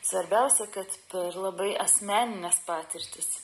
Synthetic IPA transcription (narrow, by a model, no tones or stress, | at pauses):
sʋɐɾʲbʲæʊsʲɛkɐt̪pʲɛɾlˠɐbɐɪʔɐsʲmʲæːnʲɪnʲɛspɑːt̪ʲɪɾʲt̪ʲɪs